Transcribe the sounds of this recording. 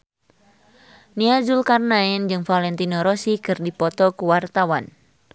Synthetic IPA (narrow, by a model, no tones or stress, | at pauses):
niad͡ʒulkarnaɛnd͡ʒɨŋfalɛnt̪inɔɾɔsikɨrdipɔt̪ɔkuwart̪awan